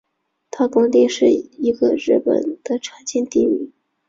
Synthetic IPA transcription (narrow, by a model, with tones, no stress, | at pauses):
t̪ʰa˥kʊ˥ŋt̪i˥˧ʂɻ̩˥˩i˧˥ɡə˧ɻɻ̩˥˩pə̰˨˩nd̪̥ə˨˦ʈ͡ʂʰwa˧˥nt͡ɕjɛ˥˧nt̪i˥˧y˥˩˦